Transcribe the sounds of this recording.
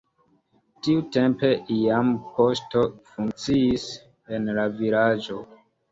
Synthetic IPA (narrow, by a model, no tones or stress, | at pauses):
tiute̞mpe̞ʔiampo̞sto̞fuŋk̚t͡siis | enlavilad͡ʒo̞